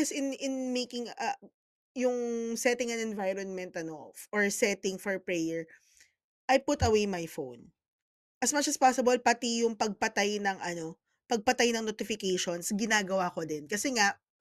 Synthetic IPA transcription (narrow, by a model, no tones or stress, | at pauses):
ɐsɪnɪnmejkɪŋɐ | jʊŋsɛt̪ɪŋɐ̃nɛnvajɾɔnmɛ̃nt̪ɐno̞ʔɔɹsɛt̪ɪŋfɔɹpɹɛjɛɹ | ʔɐjpʊt̪ɐwejmɐjfo̰wn | ʔɐsmɐt͡ʃɐspasɪbɐlpɐt̪ijʊŋpɐɡ̚pɐt̪ajnɐŋʔɐno̞ | pɐɡ̚pɐt̪ajnɐŋnot̪ɪfɪkejʃonsɡɪnaːɡɐwaːkod̪ɪnkɐsɛŋaʔ